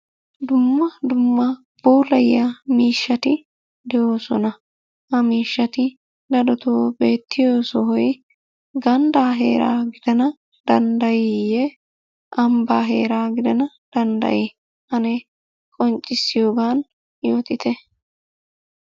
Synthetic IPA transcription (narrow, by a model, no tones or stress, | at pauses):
d̪ʊmːɐd̪ʊmːɐ | b̥uːrɐjːɐmiːʃːɐt̪ɪ | d̪ɛjo̞ːsɔnɐ | hɐmiːʃːɐt̪ɪ | d̪ɐd̪ɔt̪ʰoːbe̞ːt̪ʰːɪjo̞ːsɔɦɔj | ɡɐnd̪aːɦeːɾa̰ːɡɪd̪ɛnɐ | d̪̥ɐnd̪ɐjijɛ | ʔɐmbaːɦḛːɾaːɡɪd̪ɐnɐ | d̪̥ɐnd̪ɐ̰ʔɪ | hɐne | kʼɔnt͡ʃʼːɪsːɪjo̞ːɡaːn | jo̞ːt̪ɪt̪ʰɛ